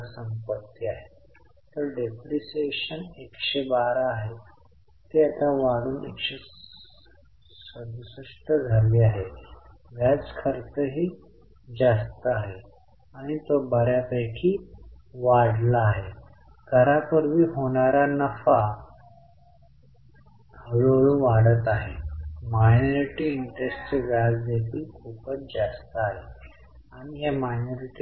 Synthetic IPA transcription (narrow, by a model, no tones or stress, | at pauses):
səmpət̪ːiaɦe | t̪əɾɖepɾiseɕənekɕebaɾaːɦe | t̪eat̪aʋaɽuːnḛkɕe | səd̪usəʂʈəd͡zʱəɾʋiaɦe | ʋjad͡zkʰəɾt̪əɦiː | d͡zast̪əaɦe | aɽ̃it̪obəɾjapəjkʰiːʋaɽlaːɦe | ɡʱəɾapəɾʋiːɦoɳaɾanəfa | kəɭoɭũːnʋaɽət̪aɦemajnoɾiʈiːɳʈɾesʈt͡seɡasd̪et̪iːlkʰuːpət͡sd͡zast̪əaɦe | aɽ̃iɦjamajnoɾiʈi